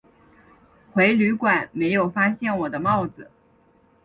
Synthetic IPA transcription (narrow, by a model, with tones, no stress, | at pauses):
xwe˧˥ɪly˧˥kwa˨˩˦nme˧˥ɪjo˨˩ʊfa˥ɕjɛ˥˩nwɔ˨˩d̪ə˦mɑ˥˩ʊd͡zɹ̩˨˩